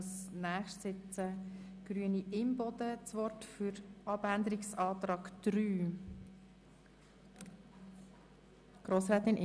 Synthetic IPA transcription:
snæːχʃtsɪt͡sə | ɡ̥ɾyəniʔɪmbɔd̪ət͡sʋɔrtfʏɾɑbænd̪əɾɪksɑːt̪ɾɑːɡ̥d̥ɾyː | ɡ̥ɾoːsɾɛːt̪ɪnʔ

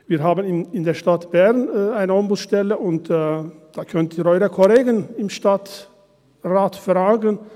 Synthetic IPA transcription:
viːɦaːbən̩ɪɪndeːɐʃtatb̥ɛʁnaɪnəɔmbʊsʃtɛləʔʊntːd̥aːkʰœntiːɾɔʏɾɐkʰɔleːɡənɪmʃtat | ʁaːtfʁaːɡən

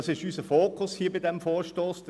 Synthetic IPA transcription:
sɪʃyːsəfoːkʰʊshiːɐbidɛmfoːɾʃtoːsd̥

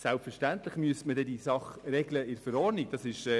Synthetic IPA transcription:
sælpfɛʃtænt̪lɪχmyəstmədɛdisɑχrɛɡləɪɾfɛɾɔrnikd̥ɑsɪʃ

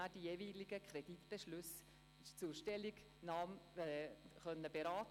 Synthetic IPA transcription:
ad̥ijeːviːliɡəkʰɾɛd̥itb̥eʃlʉs | t͡suːʃtɛliɡ | nɑːm | χœnːəbeɾɑːt

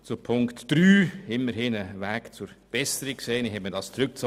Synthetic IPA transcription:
t͡sʊpʰʊŋktd̥ɾyːɪmːəɾhɪnəʋæːkt͡sʊɾb̥ɛsəɾikkseːnɪhɛtmiədɑst͡sɾʉk̚t͡s

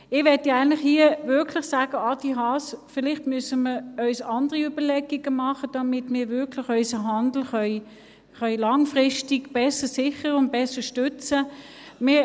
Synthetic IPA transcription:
ɪʋɛtjaɪntlɪχhiəvʏɐkʰlɪχsaːɡ̥əɑdiɦɑːsfɪlɪχtmysəməœʏsɑnd̥əʁiybəlɛɡiɡ̥əmɑχəd̥ɑmɪtmɪːɐvʏɐkʰlɪχœʏsəɦɑnd̪l̩χœʏ | χœʏlɑŋfʁɪʃtiɡb̥ɛsəsɪχəʁʊnt̚b̥ɛsəʃtʏt͡sə | mɪː

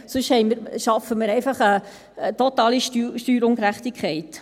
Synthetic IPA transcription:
sɵʃhɛɪməɾʃɑfəməɾɛɪfɑχə | ət̪otɑːliʃtyʃtyːɾʊŋkɾæχt̪ikʰχɛɪt

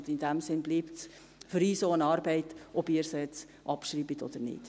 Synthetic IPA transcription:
d̪ɪnd̥æmsɪnbliːpts | fʏɾyːsoːənɑːɾbɛɪtɔbiːəɾsɛt͡s | ʔɑpʃriːbət̪o̰d̪̥əɾnɪ̰t

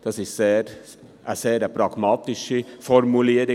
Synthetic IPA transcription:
d̪̥ɑsiseːɾ | æ̰seːɾæpʰɾɑɡmɑːt̪ɪsəfɔɾmʉleːɾɪ

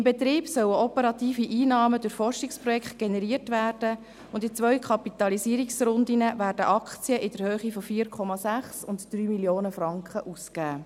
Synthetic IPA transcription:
ɪmbɛt̪ɾiːbsœwəɔpəɾɑt̪iːfiʔiːnɑːmədʊɾfɔrʃɪkspɾɔjɛkχtɡ̥enɛɾiərtʋæːrd̥ə | ʊndɪt͡sʋœɥkʰɑpit̪ɑlisiːɾiksɾʊnd̪inəvæːrdə̰ʔɑkt͡siəʔɪd̥əɾhøːχifɔfiːɾkʰχɔmɑsæχsʊntd̥ɾyːmiljoːnəfrɑŋkχəʔuskæː

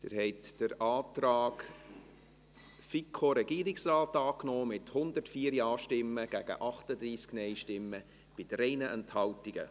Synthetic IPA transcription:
d̥̪ɪ̰ɾhɛɪtd̥əɾɑːtɾɑːk | fikʰoɾɛɡiːɾɪksraːtɑːknoːmɪthʊnd̪ərtfiːəɾjɑːʃtɪmːəɡ̥æɡ̥ə̰ʔɑχtəd̪ɾiːsknɛɪʃtɪmːə | b̥ɪdɾɛɪnəʔɛnthɑltiɡ̥ə̰

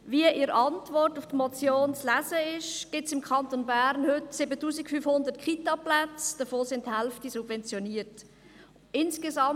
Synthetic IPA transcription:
viəʔɪɾɑntvɔrtʊftmɔt͡sjoːnt͡slæzəɪʃɡ̥ɪtsɪmkʰɑntonbæːɾnhʏtsɪbətuːsikfyfhʊndətkχitɑplæt͡sd̥əfoːsɪnthɛlftisubvɛnt͡sjoniːt | ɪnsɡ̥ezɑm

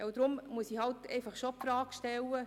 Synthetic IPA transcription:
ɛwd̪ɾʊmmuəsihɑltɛ̰ɪfɑχʃopfɾɑːkʃtɛlːə

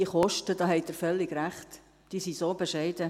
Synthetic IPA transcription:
iχɔʃtəd̥ɑːhɛɪdəɾfœlːɪɡɾæχt | d̥iːsisoːbeʃɛɪdə

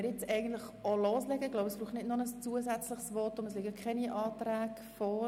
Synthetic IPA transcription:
ɾjɪt͡sɛɪɡn̩tlɪχoloːslɛɡəɡ̥lobəsb̥ɾuːχtnɪdnʊnəst͡suəzɛt͡slɪχsʋɔtʊməslɪɡəkʰχɛniʔɑːtɾæːɡ | fɔ

